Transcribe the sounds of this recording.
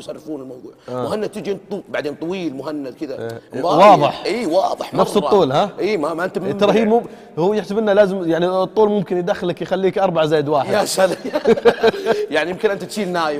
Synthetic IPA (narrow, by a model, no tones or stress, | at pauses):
sˤɑrˤːɑfuːnɪlmɑwðˤuːʊɦanːat̪ɪd͡ʒiɪnt̪ubaʕd̪eːnt̪ˤːɑwiːlmʊɦanːad̪̚kɪd̪awɑːðˤɨħʔiːwɑːðˤɨħnɑfsˤɨˤːuːlhaʔiːmamaʔɪnt̪ːɑɾˤɑhiːmʊ | huːjɪħsɪbɪnːalaːzɪmjaʕnit̪ˤːuːlmʊmkɪnjd̪axːɪlːakjxalːiːkʔɑɾˤbaʕazaːjːɪd̪waːħɪdaʃal | jaʕnijɪmkɪnʔɪnt̪at̪ʃiːnːaːjɪ